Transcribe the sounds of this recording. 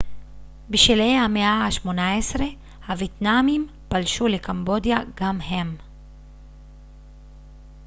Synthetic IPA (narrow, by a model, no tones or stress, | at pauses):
biʃelejhameaaʃmonaesɾe | haviet̪namim | palʃulekambod̪jaɡamɦem